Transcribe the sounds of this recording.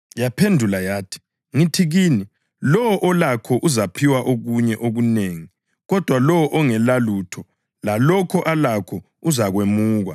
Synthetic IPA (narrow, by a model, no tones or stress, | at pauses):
japʰendʱulajaːtʰi̥ | ŋitʰiɣiːni | lɔwɔʔɔlakʰɔʔuzapʰiwaʔoɣuɲɛʔoɣuneːŋi | ɣɔd̥ʱwalɔwɔʔɔŋɛlaluːtʰɔ | lalɔkʰɔʔalakʰɔ | uzaɣwemuːɣa̰